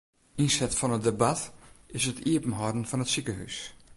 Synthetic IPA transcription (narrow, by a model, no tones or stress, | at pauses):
insɛtfɔnədebatɪsətʰiəpm̩ɦɔdn̩fɔnətsikəhy̰s